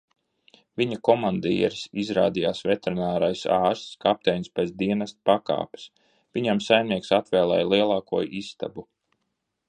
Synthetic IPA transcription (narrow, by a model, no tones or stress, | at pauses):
viɲakɔmand̪iːɛɾsizɾa̰ːd̪ijaːsvɛt̪eɾinaːɾajsɑːɾst̪skap̚t̪ɛjnspɛd̪iɛnast̪paka̰ːpḁs | viɲamsajmniɛksat̪vɛːlˠɛːjlˠiɛlˠɑːkuɔjist̪a̰bu